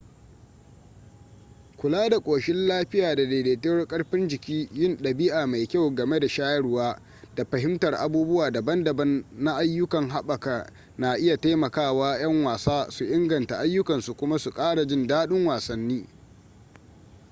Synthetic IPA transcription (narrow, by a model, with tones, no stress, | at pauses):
kʷʊ˨laː˦da˨kʷʼoː˨ʃɪ˦nlaː˦ɸɪ˦jaː˨da˨deː˨deː˨te˦wɐ˦rkʼɐ˦ɽɸɪ˦nd͡ʒɪ˨kʲiː˦jɪ˦nɗɐ˨bi˦ʔa˨ma˨jkʲa˦˨wɡɐ˨me˦da˨ʃaː˦jɐ˦ɽwaː˦ | d̥a˨ɸɐ˨ɦɪ˦mtɐ˨rʔa˨buː˦bʊ˦waː˨dɐ˨bɐ˦ndɐ˨bɐ˦nːa˦ʔa˦jːʊ˦kɐ˨ŋɦa˦ɓɐ˨ka˨ | naː˨ʔɪ˦ja˨taː˦mɐ˨kaː˦˨waː˦j̰ɐ˦ŋwaː˨saː˦su˨ʔɪ˦ŋɡɐ˨nta˨ʔa˦jːʊ˦kɐ˨nsu˨kʷʊ˦ma˦su˨kʼaː˦ɽa˨d͡ʒɪ˦ndaː˦ɗʊ˦ŋwaː˨sɐ˦nːiː˦